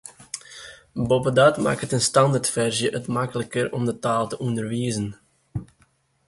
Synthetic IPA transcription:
bopədɑtma̰ːkətənstɑndartfɛrʒjəʔətmɑkələkəɾɔmdətaːlˠtəʔɔndərʋiːzən

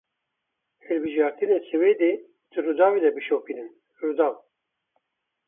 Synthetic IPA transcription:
hɨlbɨʒɑːɾt̪ɨnesɨweːd̪eː | d̪̥ɨrud̪ɑːwed̪ɛbɨʃoːpinɨn | rud̪ɑːw

